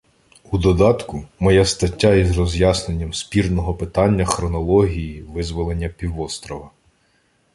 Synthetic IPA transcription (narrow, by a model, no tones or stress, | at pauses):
ud̪ɔd̪ɑt̪kʊmɔjast̪ɐtʲːaizrɔzʲjɑsne̞nʲːɐmspʲirnɔɦɔpɪt̪ɑnʲːɐxɾɔnɔlˠɔɦʲijiʋɪzʋɔlˠenʲːɐpʲiwɔst̪ɾɔʋɐ